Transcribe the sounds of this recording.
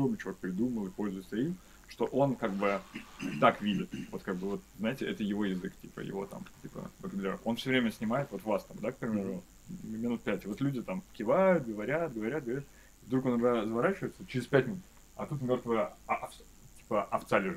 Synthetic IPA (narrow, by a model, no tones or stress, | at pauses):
mʲɪt͡ɕɪlˠek̚pɾʲɪd̪uməlˠɨpo̞lʲzʊjɪt̪səim | ʂt̪o̞ʔo̞nkaɡ̚bɨt̪akvʲidʲɪt̪vo̞t̪kaɡ̚bɨvo̞t̪̚zajɪtʲɪʔɛt̪əjɪvo̞jɪzɨktʲipə̰jɪ̰vo̞̰t̪a̰mtʲipə̰b̪əɡəbʲlʲeɾəo̞nfsʲɵvɾʲemʲəsʲnʲɪmajɪt̪vot̪vast̪amd̪ak̚pɾʲɪmʲe̞ɾʊ | mʲɪnut̪̚pʲætʲɪvo̞t̪lʲudʲɪt̪amkʲɪvajʊt̪̚ɡəvɐɾʲat̪ɡəvɐɾʲat̪̚ɡəvɐɾʲat̪ | vd̪ɾukonːɐɡd̪azvɐɾat͡ɕɪvəɪt̪sət͡ɕɪɾʲɪspʲæt̚ʲmʲɪnut̪ | ɐ̰t̪ut̪mʲo̞rt̪vɨjəf | tʲi̥pəʔɐft̪salʲɪʐɨ